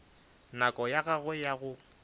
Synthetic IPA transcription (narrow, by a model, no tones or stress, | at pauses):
nakʼɔjaɣaɣwɛjaɣʊ